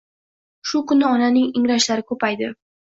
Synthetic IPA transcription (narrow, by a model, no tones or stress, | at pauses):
ʃʊkʊnɪɒnanɪŋɪŋɾaʃlaɾɪkʰɵpajd̪ɪ